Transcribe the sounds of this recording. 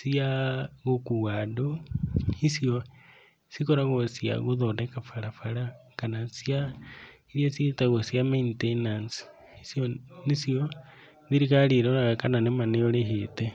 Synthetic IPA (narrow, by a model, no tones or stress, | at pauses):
siaɣokuwadohisjo | sikoɾaɣosia̰ɣuðodekafaɾafaɾakanasiaiɾjasietaɣosjameintenans | isjonisjo | ðiɾikaliɾoɾaɣakananemaneoleɦete